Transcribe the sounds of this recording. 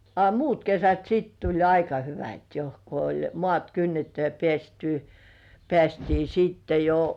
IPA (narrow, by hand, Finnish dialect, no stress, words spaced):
ɑ muːt kesæt siːt tulʲ ɑikɑ hyʋæt jo ko olʲ moɑˑt kynːetːy jɑ pĕæˑsty pĕæˑstiː sitːe jo